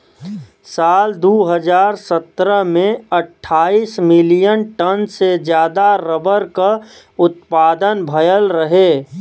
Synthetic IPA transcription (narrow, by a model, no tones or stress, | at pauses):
saːld̪uːɦəd͡ʒaːɾsət̪ɾəɦmẽəʈʰːaːiːsmɪlijənʈənsed͡ʒjaːd̪aɾəbəɾka | ʊt̪̚paːd̪ənbʱəjəlɾəɦeː